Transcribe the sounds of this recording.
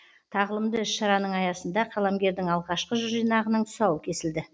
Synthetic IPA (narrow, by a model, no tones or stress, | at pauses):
t̪ʰɑʁəlˠəmd̪əɪʃʃɑɾɑnəɴɑjɑsənd̪ɑqʰɑlˠɑmɡʲe̞ɾd̪ɪŋɑlˠʁɑʃqəʒʊʒijnɑʁənəɴt̪ʰʊ̥sɑwəkʲʰe̞sɪld̪ɪ